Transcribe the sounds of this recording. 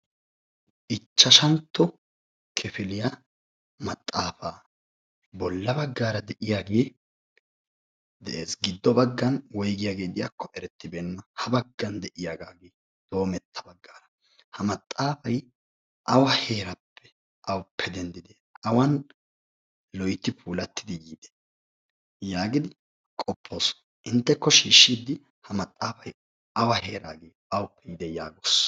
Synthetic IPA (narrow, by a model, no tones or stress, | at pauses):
ʔɪt͡ʃːɐʃɐnt̪ːɔ | kʰɛfɪlɪja | mɐt̪ʼːaːfaː | bɔlːɐbɐɡːaːɾɐd̪ɛʔɪjaːɡeː | d̪ɛʔeːsɡɪd̪ːɔbɐɡːɐnwɔjɡɪjaːɡe̞ːd̪ɪjakʰːɔʔɛɾɛt̪ːɪbɛnːɐhɐbɐɡːɐnd̪ɛʔɪjaːɡaːɡeː | d̪̥o̞ːmɛt̪ʰːɐ̥bɐɡːaːɾɐ | hɐmɐt̪ʼːaːfɐj | ʔɐwɐhe̞ːɾɐpʰːɛ̥ | ʔɐwpʰːɛd̪ɛnd̪ɪd̪ɛ | ɐwɐn | lɔjt̪ːɪpʰuːlɐt̪ːɪd̪ɪjiːd̪̥ɛ̥ | jaːɡɪd̪ɪ | kʼɔpʰːo̞ːs | ʔɪnt̪ːɛkːɔʃiːʃːiːd̪ɪ | hɐmɐt̪ʼːaːfɐj | ɐwɐheːɾaːɡeː | ɐwʊpːɛjɪd̪ɛjaːɡos